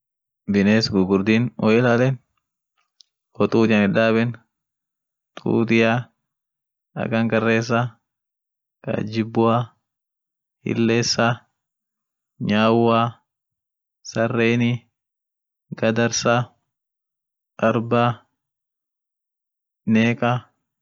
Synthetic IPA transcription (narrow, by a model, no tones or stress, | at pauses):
bɪneːsɡʊɡʊɾd̪iːnʔɔʔɛlaːlɛn | kɔt̪ʼuːt̪ɪjɐnɪᶑaːbɛn | t̪ʼṵːt̪ɪja | ɐ̰kɐŋkɐrːeːs̬ːa | kʼa̰d͡ʒɪbːʊaː | hɪ̰lːeːsːaː | ɲaːwːaː | sɐrːeːnɪ | ɡɐd̪ɐɾsaː | kɐɾbaː | neːkʼaː